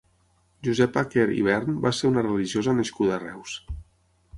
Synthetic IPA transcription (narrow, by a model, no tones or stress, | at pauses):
ʒuzɛpakeɾḭβ̞ɛɾnbaseɾunərəliʒiozənəʃkuðəːrɛws